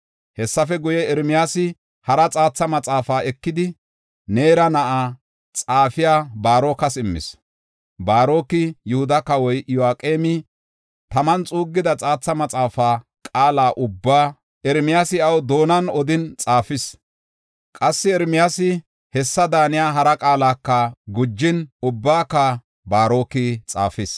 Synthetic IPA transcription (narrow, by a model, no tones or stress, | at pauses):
hɛsːɐfɛɡʊjɛɛɾmɪjaːsɪ | hɐɾɐt͡sʼaːt͡sːɐmɐt͡sʼaːfaːɛkːɪd̪ɪ | neːɾɐnɐʔaː | t͡sʼaːfɪjaːbaːɾo̞ːkɐsɪmːɪ̰s | baːɾo̞ːkɪjʊhʊd̪ɐkɐwɔjʔjʊaːkʼeːmɪ | t̪ɐmɐnt͡sʼuːɡːɪd̪ɐt͡sʼaːt͡sːɐmɐt͡sʼaːfaː | kʼaːlaːʔʊbːaː | ʔɛɾmɪjasɪɐwd̪o̞ːnɐnɔd̪ɪnt͡sʼaːfɪs | kʼɐsːɪɛɾmɪjasɪ | hɛsːɐd̪aːnɪjaːɦɐɾɐkʼaːlaːkːɐɡʊd͡ʒːɪnʊbːaːkːɐ | baːɾo̞ːkɪt͡sʼa̰ːfɪs